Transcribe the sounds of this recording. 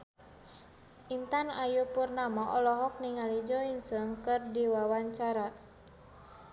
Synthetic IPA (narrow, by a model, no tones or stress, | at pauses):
ʔint̪anajupurnamaʔɔlɔɦɔk̚niŋalid͡ʒɔiŋsəŋkərdiwawaɲt͡ʃaɾa